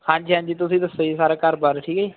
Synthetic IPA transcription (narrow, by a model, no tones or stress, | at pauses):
kãːnt͡ʃʰːãːnd͡ʒiːt̪̬ʊsĩːd̪əsoːiːsaːɾaːkəɾbaːɾʈʰiːkiː